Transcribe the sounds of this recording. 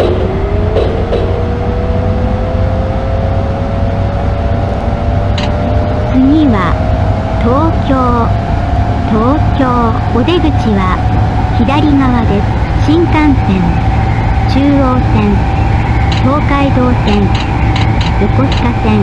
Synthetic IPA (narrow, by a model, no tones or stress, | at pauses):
t͡sɨɲ̟ʲiβa | t̪o̞ːkʲoː | t̪o̞ːkʲo̞ː | od̪e̞ɡɯ̟t͡ɕiβa | çid̪aɾʲiŋaβad̪e̞ | ɕĩŋkãñsẽ̞ŋ | t͡ɕɨːo̞ːsẽ̞n | t̪o̞ːkaid̪o̞ːsẽ̞n | ɾoko̞ɕi̥kasẽ̞